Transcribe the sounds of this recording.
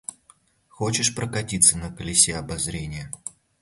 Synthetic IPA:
xo̞t͡ɕɪʂpɾəkɐtʲit̪sənəkəlʲɪsʲeɐbɐzɾʲenʲɪjə

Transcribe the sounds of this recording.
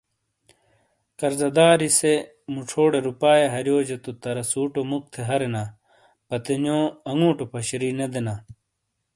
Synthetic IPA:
kɐɾzɐd̪aːɾise | muʈ͡ʂʰoːɽeɾupaːjeɦɐɾjoːd͡ʑɐt̪ut̪ɐɾɐsuːʈomuk̚t̪ʰeɦɐɾena | pɐt̪enõːɐŋũːʈopʰɐɕɾined̪enaː

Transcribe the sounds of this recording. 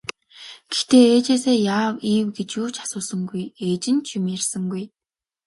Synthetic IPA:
ɡ̥ext̪eːeːt͡ɕeːseːjaːwiːwɡet͡ɕjuːt͡ɕʰḁsʊːsə̆ŋɡujeːt͡ɕɪ̆nt͡ɕʰʊmirsə̆ŋɡuj

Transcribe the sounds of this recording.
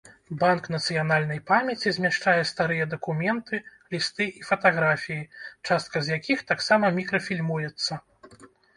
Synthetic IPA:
banknɐt̪sɨjanalʲnɐjpamʲɛt͡sʲizʲmʲɛʂt͡ʂajɛst̪aɾɨjɛd̪ɐkumʲɛnt̪ʰɨlʲist̪ɨʔifɐt̪aɣɾafʲijit͡ʂast̪̚kɐzʲjakʲixt̪aksamɐmʲikɾɐfʲilʲmujɛt̪sːɐ

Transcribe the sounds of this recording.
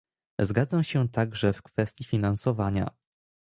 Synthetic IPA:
zɡad̪zamɕɛt̪aɡʐɛfkfɛst̪ʲjifʲinansɔvaɲa̰

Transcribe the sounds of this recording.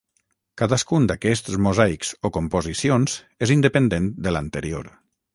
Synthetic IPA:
kaðəskund̪akɛs̬t̪zmuzajkz̥okumpozisionz | ezind̪əpənd̪end̪ələnt̪əɾio̰ɾ

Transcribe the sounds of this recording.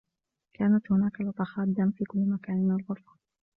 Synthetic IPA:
kaːnat̪hʊnaːkalɑt̪ˤɑxɑːd̪amfiːkʊlːmakaːnmɪnalɣʊɾˤfḁ

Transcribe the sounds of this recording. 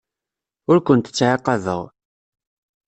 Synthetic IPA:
ʊɾkʷənt̪ə̥t͡sːʕɑqːɑðə̰ʁ

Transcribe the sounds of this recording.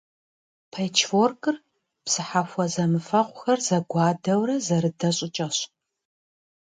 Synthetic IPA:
pʰɐjt͡ʃʰforkʼɨr | psɨħafʷɔzɐmɨfɐqʷʼʊxɐrzɐɡʷɑːdɐwɾɐzɐɾɨdɐɕʼɪt͡ʃʼɐɕ

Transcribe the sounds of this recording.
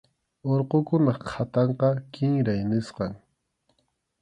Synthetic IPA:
oɾqokʊnɑqʰat̪ɑɴqɑkɪŋɾajnɪsqɑŋ

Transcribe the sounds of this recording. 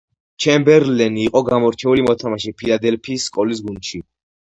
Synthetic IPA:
t͡ʃʰɛmbɛɾlɛniːqʼɔɡamɔɾt͡ʃʰɛulimɔt̪ʰamaʃipʰilad̪ɛlpʰiːsːkʼɔlis̬ɡund̪ʃi

